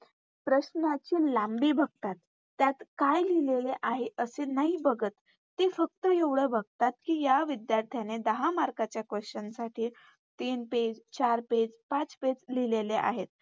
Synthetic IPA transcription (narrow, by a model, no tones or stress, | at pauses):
pɾəɕnat͡ɕiːlambiːbʱəɡ̚t̪at̪ː | jat̪kajlileleʔaɦeʔəsenaɦibəɡət̪ː | efək̚t̪əeʋɽebʱəɡt̪at̪kiːjaʋid̪jaɾt̪ʰjaned̪əɦamaɾkat͡ɕjakʋəɕənsaʈiː | t̪iːnped͡zt͡ɕaɾped͡zpat͡sped͡zlileleʔa̰ɦet̪̚